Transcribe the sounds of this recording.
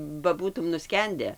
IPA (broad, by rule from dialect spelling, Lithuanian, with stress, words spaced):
bɐ ˈbuːtʊm nʊˈsʲkʲɛnʲdʲɛ